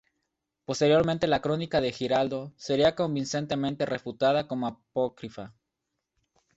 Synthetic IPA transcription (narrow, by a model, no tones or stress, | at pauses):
po̞st̪e̞ɾjo̞ɾmẽ̞nt̪e̞lakɾo̞nikaðe̞xiɾald̪o̞se̞ɾiako̞mbinse̞nt̪e̞mẽ̞nt̪e̞re̞fut̪að̞ako̞moapokɾifa